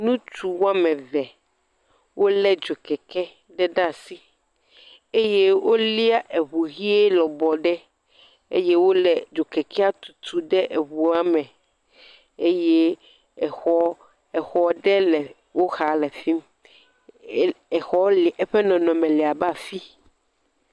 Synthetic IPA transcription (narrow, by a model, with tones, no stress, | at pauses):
nũ˦t͡ʃu˨wo˦a˦mɛ̃˨vɛ˨ | wo˦lɛ˦d͡ʒo˨kɛ˨kɛ˦ | ɖɛ˦ɖa˦˨si˦ | e˦je˦wo˦li˦a˦ʔe˨βu˨ɣi˦ɛ˦lɔ˨bɔ˨ɖɛ˦ | ḛ˦je˦wo˦lɛ˨d͡ʒo˨kɛ˨kʰɛ˦a˦t̪u̥˨t̪u˨ɖɛ˦ʔe˨βu˨a˦mɛ̃˨ | e˦je˦˨ | xɔ˦ | ɛ˨xɔ˦ɖɛ˦lɛ˨ | wo˦xa˨lɛ˨fi˦m˦ | ɛ˨xɔ˦li˨ʔɛ˦ɸɛ˦nɔ̃˨nɔ̃˨mɛ̃˨lɛ˨a˨ba˦˨fi˦